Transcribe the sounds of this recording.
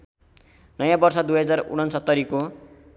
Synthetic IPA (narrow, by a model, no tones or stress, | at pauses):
nʌjãbʌrsʌd̪ujɦʌd͡zarṵɽ̤̃ʌnsʌt̪ːʌɾiko